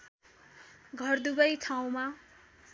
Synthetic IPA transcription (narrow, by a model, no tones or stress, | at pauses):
ɡʱʌrd̪uɡʌjt̪ʰaw̃ma